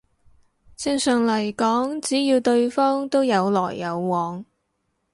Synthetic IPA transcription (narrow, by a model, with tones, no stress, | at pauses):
t͡sɪ˥˧ŋsœː˨˩ŋlɐ˨˩jkɔː˨˥ŋt͡siː˨˥jiː˧wt̪ɵ˧ɥfɔː˥ŋt̪o˥wjɐ˨˧wlɔː˨˩jːɐ˨˧wːɔː˨˧ŋ